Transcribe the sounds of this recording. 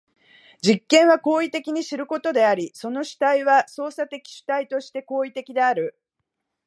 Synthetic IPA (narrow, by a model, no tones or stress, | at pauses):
d͡ʑikːẽ̞ɰ̃β̞ako̞ːit̪e̞kʲiɲ̟iɕiɾɯ̟ko̞t̪o̞d̪e̞aɾʲiso̞no̞ɕi̥t̪aiβaso̞ːsat̪e̞kʲi̥ɕi̥t̪ait̪o̞ɕi̥t̪e̞ko̞ːit̪e̞kʲid̪e̞aɾɯ̟